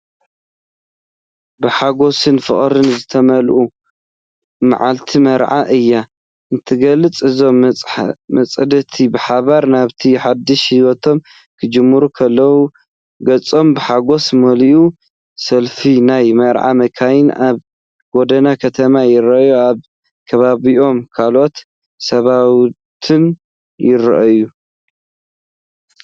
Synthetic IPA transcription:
bɨħaɡo̞sɨnfɨχʼɾɨnzɨt̪ʰɐmɐlʔu | ma̰ʕalt̪ʰimɐɾʕa̰ʔɨjːa | ʔɨnt̪ʰɨɡɐlɨt͡sʼɨzo̞m | mɐt͡sʼɐd̪ɐt̪ʰibɨħaβaɾnaβt̪ʰiħad̪ɨʃhiwot̪ʰo̞m | kʰɨd͡ʒɨmːɨɾukʰɐlːɐwu | ɡɐt͡sʼo̞mbɨħaɡo̞smɐliʔu | sɐlfinajmɐʔɾʕa̰mɐkʰajɪnʔaβ | ɡo̞d̪ɐnakʰɐt̪ʰɐmajɪɾɐʔjuaβ | kʰɐβaβiʔo̞mkʰalʔo̞t̪ | sɐβaw | t̪ʰɨn | jɪɾɐʔɐju

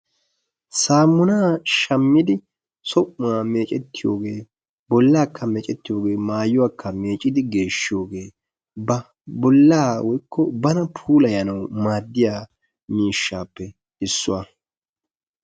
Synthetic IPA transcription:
saːmːʊnaːʃɐmːɪd̪ɪ | sɔʔʊaːme̞ːt͡ʃʼɛt̪ːɪjo̰ːɡe̞ː | bɔlːaːkʰːɐmɛːt͡ʃʼɛt̪ːɪjo̞ːɡe̞ːmaːjʊwaːkːɐme̞ːt͡ʃʼːɪd̪ɪɡe̞ːʃːɪjo̞ːɡe̞ː | bɐ | bɔlːaːwɔjkʰːɔbɐnɐpʰuːlɐjɐnɐwmaːd̪ːɪjaː | miːʃːaːpːɛ | ɪsːʊwaː

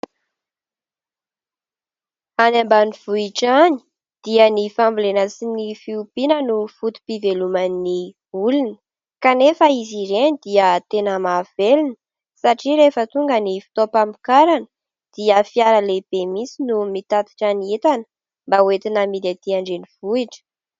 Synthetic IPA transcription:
anambaniv̥uiʈ͡ʂani̥ | d̪̥iənifambulenasinifiupinənufut̪u̥pivelumani | ulunə | kanefəiziɾenid̪̥iət̪enəmav̥elinə̥ | saʈ͡ʂiɾefət̪uŋɡənifi̥t̪ɔpamikaɾanə | d̪̥iəfiaɾəleb̥emisinumit̪at̪i̥ʈ͡ʂaniet̪anə̥ | mbawet̪inəmid̪et̪iaɳɖ͡ʐeniv̥uiʈ͡ʂə̥

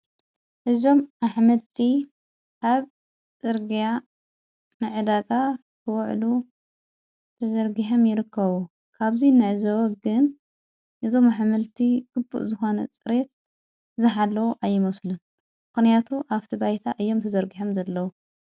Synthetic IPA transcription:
ʔɨzo̞mʔaħmɐlt̪ʰi | ʔaβ | t͡sʼɨɾɡija | nɨʕɨd̪aɡʼa | kʰɨwɔʕlu | t̪ʰɐzɐɾɡiħomjɪɾɨkʰːɐβu | kʰaβzinɨʕzɐwɐɡɨn | ʔɨzo̞maħmɐlt̪ʰiɡ̥ɨbːṵʔzɨxo̞nɐ̰t͡sʼɨɾet̪̚ | zɨħalːɐwuʔajːɪmɐslun | mɨxnijat̪ʰuʔaft̪ʰibajt̪ʰaʔɨjːo̞mt̪ʰɐzɐɾɡiħomzɐlːɐwu

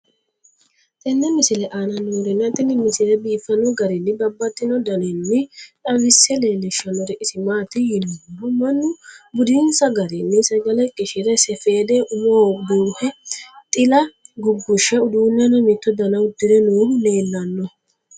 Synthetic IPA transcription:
t̪ʼɛnːɛmɪsɪlɛʔanɐnuːɾɛnːɛɐt̪ʼːɪnːɪmɪsɪlɛbiːfːɐnɔɡɐɾɪnːɪbɐbːɐt̪ːɪnɔd̪ɐnɛnːɪᶑɐlɪsɛleːnɛʃɐnːɔɾɛʔɪsɪmaːt̪ːɪjɪnunʊmɐnːʊbʊd̪ɪnsɐɡɐɾɪnːɪsɐɡɐlɛkʼɪʃɪɾɛsɛfe̞ːd̪ɛʔʊmoːbuːhɛt̪ʼɪlɐɡʊɡːʊʃːɛʊd̪uːnːɛnɔmɪt̪ːɔd̪ɐnɐwʊd̪ɪɾɛnuːɾʊne̞ːlːɐnːɔ

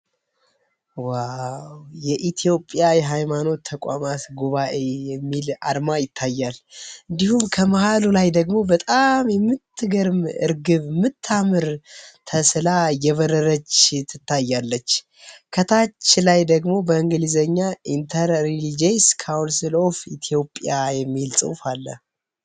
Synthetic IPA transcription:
wawjɛʔit̪ʰijo̞pʼjajɛɦajmano̞t̪ʰːəkʷʼa̰mat̪ɡuβaʔe̞jɛmːila̰dmajɪt̪ʰːajːalɨnd̪ihumkʰəməhalulajd̪əɡmo̞bət̪ʼamjɛmːɨt̪ːɨɡəɾmɨ̰ɾɡɨβɨmːɨt̪ʰːamɨɾt̪ʰəslajɛβəɾəɾət͡ʃt̪ʰɨt̪ʰːajːalːət͡ʃː | kʰət̪ʰat͡ʃːlajd̪əɡmo̞bəɨŋɡɨlizəɲːaʔint̪ʰəɾelid͡ʒejskʰawnsilo̞fḭt̪ʰjo̞pʼjajɛmːilsʼɨ̰wfalːə̰

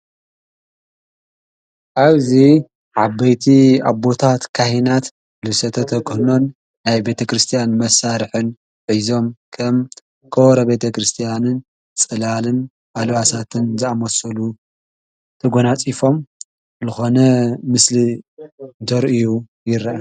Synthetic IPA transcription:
ʔaβzi | ʕabɐjt̪ʰiabːo̞t̪ʰat̪kʰahinat̪ | lɨsɐt̪ʰɐt̪ʰɐkʰɨhno̞n | najbe̞t̪ʰɐkɾɨst̪ʰijanmɐsːaɾħɨn | ʕizo̞mkʰɐm | kʰowɾɐbe̞t̪ʰɐkɾɨst̪ʰijanɨn | t͡sʼɨlalɨn | ʔalwasat̪ʰɨnzɨamɐsɐlu | t̪ʰɐɡonat͡sʼifo̞m | zɨxo̞nɐmɨsliɨnt̪ʰɐɾʔiju | jɪɾa

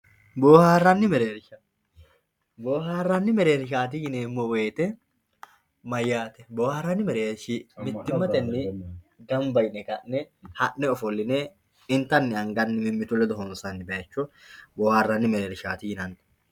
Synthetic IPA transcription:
boːhaːrːɐnːɪmɛɾeːɾʃɐ | boːɦaːrːɐnːɪmɛɾeːɾʃ̬aːt̪̬ɪjɪneːmːoweːt̪ɛ | mɐjːaːt̪ɛboːhaːrːɐnːɪmɛɾeːɾʃimɪd̪ːɪmːɐt̪ɛnːɪ | ɡɐmbɐjnɛkɐʔnɛhɐʔnɛɔfɔlːɪneː | ɪnt̪ɐnːɪɐŋɡɐnːɪmɪmːɪt̪ʊlːɛd̪ɔɦɔnsɐnːɪbɛjɐt͡ʃːɔ | boːhaːrːɐnːɪmɛɾeːɾɪʃaːt̪ɪjɪnɐn

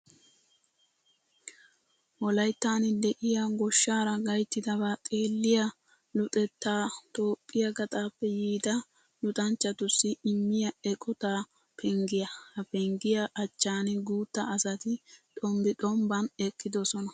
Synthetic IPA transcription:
wɔlɐjt̪ːaːnɪd̪ɛʔɪjɐɡɔʃːaːɾɐɡɐjt̪ːɪd̪ɐβaːt̪ʼeːlːɪjɐ | lʊt̪ʼɛt̪ːaːt̪oːpʼːɪjɐɡɐt̪ʼaːpːɛjiːd̪ɐ | lʊt̪ʼɐnt͡ʃːɐt̪ʊsːɪɪmːɪjɐɛkʼɔt̪a | pʰɛŋɡɪjɐhɐpɛŋɡɪjɐʔɐt͡ʃːaːnɪɡuːt̪ːɐːsɐt̪ɪt̪ʼɔmbɪtʼɔmbɐnɛkːɪd̪ɔsɔnɐ

